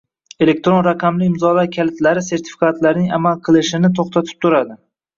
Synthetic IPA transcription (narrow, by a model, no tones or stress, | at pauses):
e̞le̞k̚ʲt̪ɾo̞nɾaqʰɑmlɪɪmzɒlaɾkʲʰalɪt̪laɾɪse̞ɾt̪ʰɪ̥fi̥kʰat̪laɾnɪŋa̰malˠqʰɨlˠɪʃɪnɪt̪ʰoχt̪ʰat̪ʰɪ̥p̚t̪ʰʊɾad̪ɪ